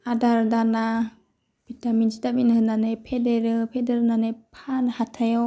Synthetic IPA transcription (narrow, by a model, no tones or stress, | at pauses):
adaɾdana | b̥itaminsitaminhɯnanepʰedeɾɯpʰedeɾɯnanepʰanhatʰajɔ